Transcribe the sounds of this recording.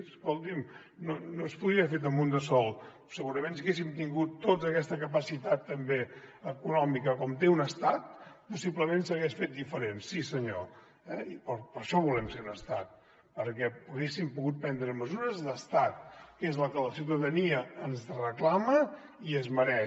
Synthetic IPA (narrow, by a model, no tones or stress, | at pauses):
skɔlˠt̪im | nonospuðɾiefet̪̬əmund̪əsɔlˠ | səɣuɾəmẽnsiɣes̬imt̪iŋɡut̪ːotzəkɛst̪əkəpəsit̪at̪ːəmbeəkunɔmikəkɔmt̪eunəst̪at̪̚pusiβləmẽnsəɣeʃfet̪̚d̪ifəɾensisəɲo | ɛipəpəɾʃɔβulɛmseunəst̪at̪̚ | pəɾkɛuɣesimpuɣut̪̚pɛnd̪ɾəməzuɾəzðəst̪at̪̚kezləkələsiwt̪əðəniəənzrəklamə | iəzməɾɛ